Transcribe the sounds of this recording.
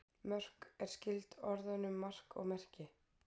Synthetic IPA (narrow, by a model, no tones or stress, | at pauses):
mœr̥kɛɾ̥scɪlt̪ɔɾðanʏmːar̥kɔ̰ɣmɛr̥cɪ